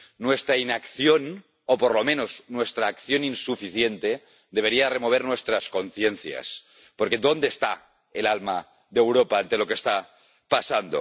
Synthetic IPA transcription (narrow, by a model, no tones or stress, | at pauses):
nwest̪ɾainakθjo̞n | opoɾlo̞mẽnoznwe̞st̪ɾaːkθjo̞ninsufiθjent̪e | d̪e̞β̞e̞ɾiare̞mo̞β̞eɾnwe̞st̪ɾasko̞nθjenθja̰s | poɾkeðo̞nd̪est̪a̰ | elalma | ðewɾopaant̪e̞lo̞kest̪a | pasand̪o̰